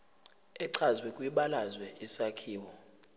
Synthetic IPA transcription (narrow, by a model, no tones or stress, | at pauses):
ɛǀʰazwɛkʼwiɓalazwɛisakʰiːwɔ